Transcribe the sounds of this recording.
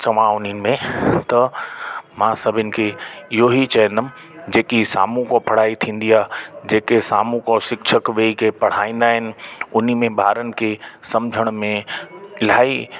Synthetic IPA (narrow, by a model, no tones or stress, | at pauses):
t͡ɕɐʋ̤ãʊnin̆mẽt̪ɐ | mãːsɐbʱɪnɪ̆kʰeɪɦoɦit͡ɕɐɦə̃nd̪əmɪ̆ | d͡ʑeːkisa̰ːmũkopʰɐɽ̤aːit̪ʰĩːn̆d̪iaːd͡ʑeːkesaːmũkɔsɪkʃʰəkʋeːikʰepɐɽ̤aːĩːn̆d̪aːɦɪnɪ̆ʊnimẽbʱaːɾənɪ̆kʰesɐmd͡ʑʱəɽ̃mẽɪl̤aːi